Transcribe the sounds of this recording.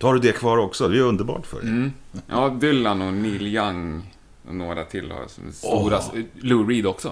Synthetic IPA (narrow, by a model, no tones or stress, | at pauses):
t̪haɖɵd̪ɛkʰvɑːɾɔksɔd̪ɛɾɵnd̪əɾbɑ̰ːʈfœ̰ɖɛ̰jʔɑːd̪ʏlːanɔniːljaŋ | ɔ̰noːɡɾa̰t̪ʰɪlːhɔ̰ɑ̰ːlsɔ̰mst̪uːɾalʊɾiːd̪ɔksɔ